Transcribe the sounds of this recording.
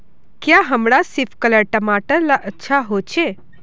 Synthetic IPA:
kjaɦəmɽasɪpʰkələɾʈəmaːʈəɾlaʔətːʃʰaɦot͡ʃʰe

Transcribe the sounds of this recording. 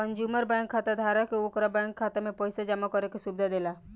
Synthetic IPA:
kənd͡ʒuməɾbɛ̃ŋkʰːat̪ed̪ʱaːɾakeʊkɾabɛ̃ŋkʰːat̪emẽpɔjsad͡ʒamakɔɾekesubd̪ʱad̪ela

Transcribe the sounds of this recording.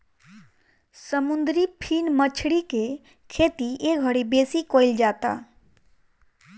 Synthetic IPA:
səmund̪ɾipʰinmət͡ʃʰɽike | kʰet̪ieɡʱəɽibesikoɪld͡ʒat̪a̰

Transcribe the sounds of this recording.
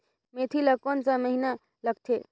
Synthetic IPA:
mẽt̪ʰiləkonsaməɦina | ləɡt̪ʰe

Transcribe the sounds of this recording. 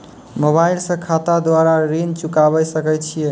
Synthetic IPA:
mobailsə̃kʰat̪ad̪waɾaɾint͡ʃukaβɛsəkɛt͡ʃʰijɛ

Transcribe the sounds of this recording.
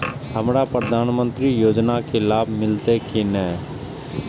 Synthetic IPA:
həmɾapɾəd̪ʱaːnmə̃nt̪ɾijoːd͡ʒnakelaːbʱmɪlt̪ekinɛː

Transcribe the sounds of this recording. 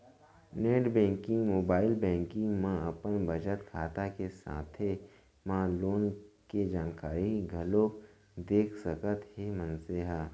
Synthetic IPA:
neːʈbɛ̃ːŋkɪ̃ŋɡmoːbaːɪlbɛ̃ːŋkɪ̃ŋmãɐpənbʱɐd͡ʒət̪kʰaːt̪akesa̰ːt̪ʰe | mãːloːnked͡ʒãːŋkaːɾiɡʱɐloːk | d̪eːkʰsəkət̪ɦemə̃nseɦa

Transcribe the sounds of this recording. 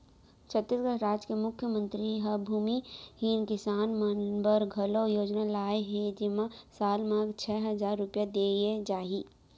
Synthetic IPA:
t͡ʃʰət̪ːɪsɡəlɾaːd͡ʒkimʊkʰjəmə̃nt̪ɾiɦɐbʱuːmihinkɪsaːnmənbəɾɡʱɐlojoːd͡ʒnalaːeɦed͡ʒɪmãsaːlmaːɡt͡ʃʰɛːɦəzaːɾːʊpjad̪eed͡ʒaːɦi

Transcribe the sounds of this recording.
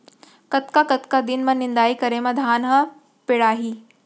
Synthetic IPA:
kɐt̪kakɐt̪kad̪inmɐnːind̪aːikəɾemɐd̪ʱaːnɦə | peɽaːɦiː

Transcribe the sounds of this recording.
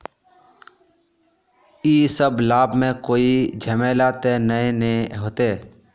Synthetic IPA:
iːsəblaːbʱmẽkoːid͡ʒʱəmeːlat̪enəẽneɦoːt̪eː

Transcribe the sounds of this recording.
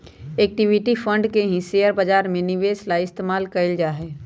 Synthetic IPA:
eːk̚ʈiʋɪʈifʰə̃ɳɖkeɦĩseːjəɾbɐd͡ʒaːɾmẽnɪʋeːslaɪst̪eːmaːlkɐɪld͡ʒaːɦɛː

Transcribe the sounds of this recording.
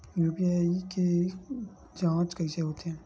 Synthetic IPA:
joːpiaike | d͡ʒãːt͡ʃkəiseɦoːt̪eɦɛ̃ː

